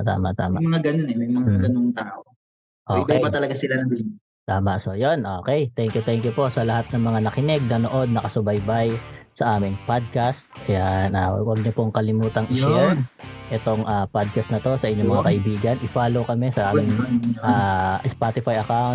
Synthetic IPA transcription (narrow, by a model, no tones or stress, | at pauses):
t̪a̰ːmaʔt̪a̰ːmamɐŋaɡɐnoŋɛmɐjmɐŋaɡɐnoŋt̪aːʔo | ʔoːkbpɐt̪ɐlɐɡasɪlanɐɡin | t̪aːmɐʔso̞jo̞nʔoːkɛjt̪ɛŋkjʊt̪ɛŋkjʊpo̞ʔsɐlɐhat̪̚nɐŋmɐŋanɐkɪnɛɡ̚nɐnoʔo̞d̪̚nɐkɐsʊbɐjbajsɐʔaːmɪŋpad̪̚kast̪̚ɐjanʔa̰wɐɡ̚ɲopoŋkɐlɪmuːt̪ɐŋʔɪʃɛʔɛt̪o̞ŋʔapad̪̚kɐst̪nɐt̪o̞sɐʔɪɲomɐŋakɐʔɪbiːɡɐnʔɪfaːlowkɐmɛsɐʔaːmɪŋaʔɪspaːt̪ɪfajʔɐkawn